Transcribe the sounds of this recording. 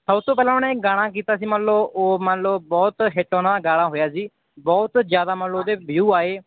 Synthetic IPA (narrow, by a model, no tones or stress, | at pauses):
səbt̪õːpɛːlãːʊnẽːɡaːɽ̃ãːk̬iːt̪aːsiːmənləoːmə̃nləbɔːt̪ɦɪʈːoːnãːd̪aːɡaːɽaːɦoːjaːsiː | bɔːt̪zjaːd̪aːmənləoːd̪eːbjuːaːeː